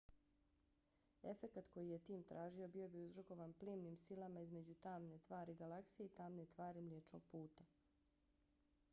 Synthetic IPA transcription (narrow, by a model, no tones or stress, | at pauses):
e̞fe̞kat̪ko̞jije̞t̪iːmt̪ɾʔaːʒio̞bijo̞biuzɾoko̞ʋanpliːmnimsilˠamaizme̞d͡ʑut̪aːmne̞t̪ʋaːɾiɡalaksije̞it̪aːmne̞t̪ʋaːɾimljet͡ʃno̰ɡ̚puːt̪a